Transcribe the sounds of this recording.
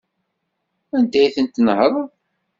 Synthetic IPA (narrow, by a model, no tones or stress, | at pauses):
ænd̪æjiθənt̪ːnhəɾˤ